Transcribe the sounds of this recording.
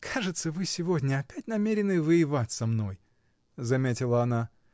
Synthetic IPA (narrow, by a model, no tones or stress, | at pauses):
kʰaʐɨt̪səvɨsʲɪvo̞dʲnʲəɐpʲætʲnɐmʲeɾʲɪnɨvɨjɪvatʲsɐmno̞j | zɐmʲetʲɪlˠəɐna